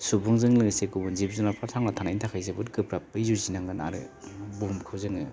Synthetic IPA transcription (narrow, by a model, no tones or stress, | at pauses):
subuŋzɯŋlɯŋsekubunzip̚zunapʰasʰaŋnatʰanajntʰakʰajzebɯtkɯpɾap̚ːɯjzuzinaŋɡana̰ɾɯ̰bumkʰɯwzɯŋɯ